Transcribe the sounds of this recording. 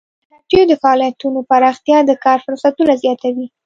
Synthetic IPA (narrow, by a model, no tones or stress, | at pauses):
naʈ̪jod̪əfaɑlijat̪unopaɾɑxt̪jɑd̪əkɑɾfʊɾsat̪unazjɑt̪awi